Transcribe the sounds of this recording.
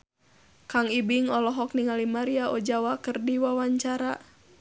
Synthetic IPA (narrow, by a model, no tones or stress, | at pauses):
kaŋibiŋɔlɔɦɔkniŋalimaɾiaʔɔd͡ʒawakɨrdiwawaɲt͡ʃaɾa